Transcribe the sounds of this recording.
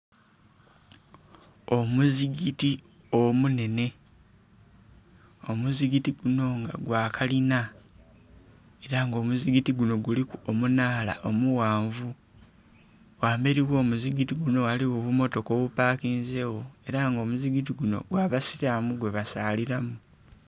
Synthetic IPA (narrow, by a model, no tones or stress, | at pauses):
o̞muziɡiti | omune̞ne̞ | omuziɡitiɡuno̞ŋɡa̰ɡwaːkʰalina | e̞ɾaŋɡo̞ːmuziɡitiɡuno̞ɡulikuomunaːla̰ʔo̞muwaːɱvu | waːmbe̞ɾiwo̞ːmuziɡitiɡuno̞waliwoβumo̞to̞koβupaːkiːnze̞wo̞e̞ɾaŋɡo̞ːmuziɡit̬iɡuno̞̰ɡwaːβasiɾamuɡwe̞βasaːliɾamu